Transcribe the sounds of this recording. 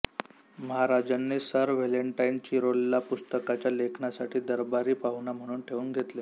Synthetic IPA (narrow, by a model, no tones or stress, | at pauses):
məɦaɾad͡ʑanːesəɾʋeleɳʈaint͡ɕiɾolːapust̪əkat͡ɕjalekʰnasaʈʰiːd̪əɾbaɾiːpaɦunam̤əɽ̃uːnʈʰeʋuːnɡʱet̪le